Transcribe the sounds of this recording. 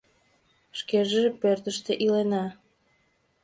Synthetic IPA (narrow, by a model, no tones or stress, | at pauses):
ʃkeʒepørt̪əʃt̪eʔilenɑ